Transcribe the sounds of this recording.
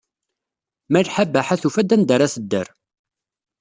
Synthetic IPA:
mælħabæħaθufæd̪ænd̪əɾaθəd̪ːə̰ɾ

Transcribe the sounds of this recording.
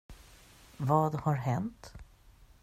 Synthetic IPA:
vɑːd̪haɾɦɛnt̪

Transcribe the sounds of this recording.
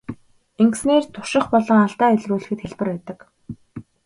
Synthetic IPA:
eŋɡ̆sneːrt̪ʰʊr̥ʃɪ̆χpɔɮɞ̆ŋaɬt̪aːeɮruːɮɘ̆xɘ̆t̪xeɮpɘ̆rpæːt̪ə̆k

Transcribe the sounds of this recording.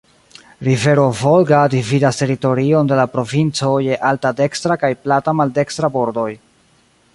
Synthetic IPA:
ɾive̞ɾo̞volɡadividaste̞ɾito̞ɾio̞nde̞lapɾo̞vint͡so̞je̞ʔaltade̞kstɾakajplatamalde̞kstɾabo̞ɾdo̞j

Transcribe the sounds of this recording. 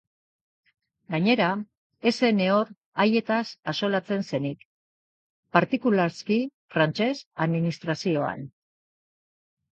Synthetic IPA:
ɡaɲe̞ɾa | e̞se̞ne̞o̞ɾ | aje̞t̪asaso̞lat͡se̞nse̞nik | paɾt̪ikulaɾskifɾant͡ʃe̞saðminist̪ɾasio̞a̰n

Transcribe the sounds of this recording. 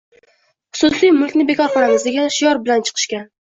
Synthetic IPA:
χʊ̥sʊsijmʊlˠkʲnɪbe̞kʰɒɾqɒɾaŋɪzd̪eɡʲanʃɪjɒɾbɪlant͡ʃʰɨ̥qʰɨ̥ʃkʲan

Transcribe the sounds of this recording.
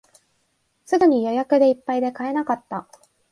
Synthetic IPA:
sɨd̪ɯɲ̟ijo̞jakɯ̟d̪e̞ipːaid̪e̞kae̞nakat̪ːa

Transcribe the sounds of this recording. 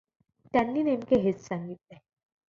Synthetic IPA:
t̪janːiːnemkeɦet̪saŋɡit̪le

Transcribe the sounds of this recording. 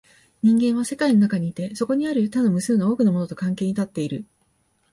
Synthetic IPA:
ɲ̟ĩŋɡẽ̞ɰ̃β̞ase̞kaino̞nakaɲ̟iːt̪e̞so̞ko̞ɲ̟iaɾɯ̟t̪ano̞mɯ̟sɨɯnao̞ːkɯ̟nomo̞no̞t̪o̞kãŋke̞ːɲ̟it̪at̪ːe̞iɾɯ̟

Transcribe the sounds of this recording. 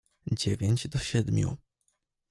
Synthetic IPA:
d͡ʑevʲeɲd͡ʑd̪ɔɕɛd̪mʲjṵ

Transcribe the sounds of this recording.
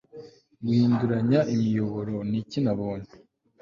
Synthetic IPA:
ɡuhiːnduɾaɲaʔimijo̞βo̞ɾo̞nicinaβoːɲe̥

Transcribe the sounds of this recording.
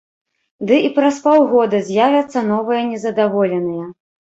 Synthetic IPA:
d̪ɨipɾɐspawɣɔd̪ɐzʲjavʲɐt̪sːɐnɔvɨjɐnʲɛzɐd̪avɔlʲɛnɨjɐ

